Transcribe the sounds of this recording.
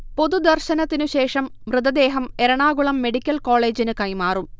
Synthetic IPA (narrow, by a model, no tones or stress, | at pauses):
po̞ðud̪ɐrɕɐnɐt̪ːinuɕe̞ːʂɐmʋrɨd̪ɐd̪e̞ːɦɐme̞ɾɐɳaːɡuɭɐmːe̞ɽikʲːɐlko̞ːɭe̞ːd͡ʑinɨkɐjmaːrum